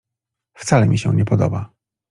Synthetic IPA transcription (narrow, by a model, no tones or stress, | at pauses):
ft̪salɛmʲiɕɛ̃ɲɛpɔd̪ɔ̰ba